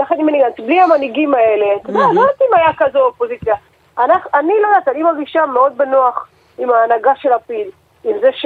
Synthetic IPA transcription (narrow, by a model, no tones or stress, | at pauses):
laχanimeniɡant̪bliamaniɡimae̞le̞t̪od̪ealod̪at̪imajakazeopozit͡sja | anaχanilod̪at̪animaɡiʃameo̞d̪̚benuaχ | imaːnaɡaʃe̞lapil | imzeʃ